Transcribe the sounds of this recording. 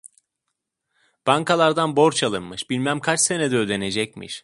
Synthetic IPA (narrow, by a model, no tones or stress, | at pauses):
b̥aŋkʰalˠaɾd̪anbo̞ɾt͡ʃʰalˠɯnmɯʃbilʲmæmkʰat͡ʃse̞nɛd̪ɛød̪e̞ne̞d͡ʒɛc̚mḭʃ